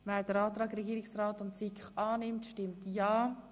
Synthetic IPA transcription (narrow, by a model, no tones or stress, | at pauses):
vad̥əɾɑːt̪ɾɑːɡɾɛɡiːɾɪksraːtʊnt͡sɪkχɑːnɪmtʃtɪmtjɑː